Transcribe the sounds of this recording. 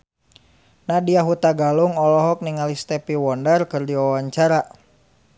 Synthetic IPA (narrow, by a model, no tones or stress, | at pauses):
nadiaɦut̪aɡaluŋɔlɔɦɔk̚niŋalist̪ɛpiwɔndarkɨrdiɔwaɲt͡ʃaɾa